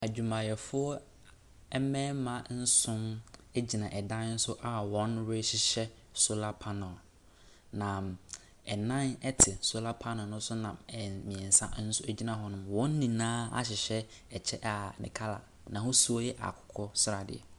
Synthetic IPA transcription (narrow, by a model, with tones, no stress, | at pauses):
æ˨d͡ʑᶣu˨mã˨jɛ˨fʊ˦ɔ˦ | ɛ˦mɛ̃˦mã˨n̩˦sʊ̃˦me˦d͡ʑi˨nã˨ʔɛ˨dã˦nn̩˦sʊ˦ʔa˨wɔ̃˦nɾe˦ɕɪ˦ɕɛ˦ | so˦la˦pʰa˦nɔ˨l | nã˨ | ɛ˨nã˦nɛ˦tʰɪ˨so˦la˦pʰa˦nɔ˨nʊ̃˦sʊ˦nã˨ɛ˨mĩ˨ɛ̃˨n˨sã̰˦n̩˦sʊ˦æ˦d͡ʑi˦nã˨ɦɔ˦nʊ̃˦mwɔ̃˦n̩˦nĩ˨nãː˦a̰˦ɕɪ˨ɕɛ˦ | ɛ˨t͡ɕʰɛ˦ʔa˨nɪ̰̃˨kʰa˦la̰˨ | nã˨hʊ˦su˦ɔ˦jɛ˦ʔa̰˨kʰʊ̥˨kʰɔ˦sɪ˦ɾa˨dɪ̰˨ɛ̰˨